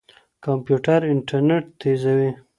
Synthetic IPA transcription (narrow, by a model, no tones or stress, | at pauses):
kampjuʈaɾɪɳʈaɾneʈt̪ezawi